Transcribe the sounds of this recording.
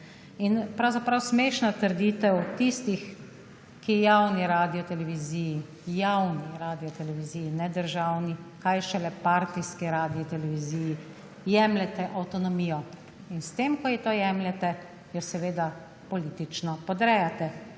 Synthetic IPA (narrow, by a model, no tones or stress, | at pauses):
inpɾawzapɾawsmeːʃnat̪əɾd̪iːt̪ɛwt̪ist̪ix | kijawniɾaːd̪ijɔt̪ɛlɛʋiziji | jawniɾaːd̪ijɔt̪ɛlɛʋiziːjinɛd̪əɾʒaːwnikajʃɛlɛpaɾt̪iskiɾaːd̪iɔt̪ɛlɛʋiziːji | jɛmlɛt̪ɛʔawt̪ɔnɔmiːjɔ | inst̪eːmkɔjit̪ojɛmlɛt̪ɛ | jɔsɛʋeːd̪a | pɔliːt̪it͡ʃnɔpɔd̪ɾɛjat̪ɛ